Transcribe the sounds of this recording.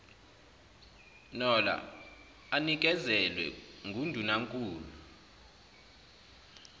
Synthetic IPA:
nɔla̰ | anik̬ɛzɛlwɛ̰ŋɡʱundʱunaŋkʼuːlu

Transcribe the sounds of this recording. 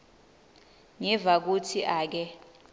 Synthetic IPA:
ŋɛvak̬utʰiʔaːk̬ɛ

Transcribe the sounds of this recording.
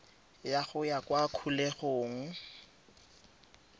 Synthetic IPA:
jaχʊjakwakʰuleɣoːŋ̩

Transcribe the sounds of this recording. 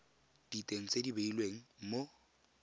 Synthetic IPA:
d̥itʼeŋ̩t͡sʼedibeilweŋ̩mo

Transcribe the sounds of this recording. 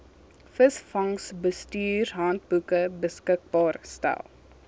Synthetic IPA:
fəsfɐŋsbəstyːrɦɐnt̚bukəbəskək̚bɑːrstæ̰lˠ

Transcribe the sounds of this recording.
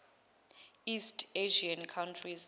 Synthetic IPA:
istʰʼeʒiankʰawntʰriz

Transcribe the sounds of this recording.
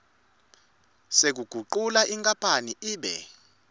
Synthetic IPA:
sek̬uɡ̥ʱuǃulaʔiŋkʼapʰaniʔiːɓɛ̰

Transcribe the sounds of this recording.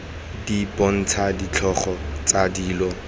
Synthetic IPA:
dipɔn̩t͡sʰadit͡ɬʰɔχɔt͡sadiːlɔ

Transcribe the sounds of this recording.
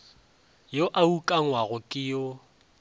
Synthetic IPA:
joʔaukʼaŋwaɣʊkʼɪjo

